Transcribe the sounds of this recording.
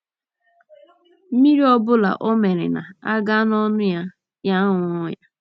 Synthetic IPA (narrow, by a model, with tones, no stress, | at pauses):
m̩˦mi˦ɾi˦ɔ˦bʊ˦la̰˨ʔo˦me˨ɾɪ̰˨na̰˨a˦ɡa˦nɔ˦nʊ˦ja˦ | ja˦ŋʊ˦ʊ˦ja˦